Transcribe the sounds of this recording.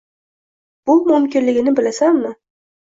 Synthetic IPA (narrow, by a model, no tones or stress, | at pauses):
b̥ʊmʊmkʲɪnlɪɡʲɪnɪbɪlasanmɪ